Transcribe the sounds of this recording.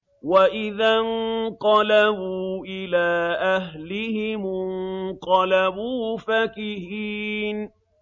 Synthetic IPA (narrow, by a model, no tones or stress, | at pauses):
waʔɪðanqɑlabuːʔɪlaːʔaɦlɪhɪm | qɑlabuːfakɪhiːn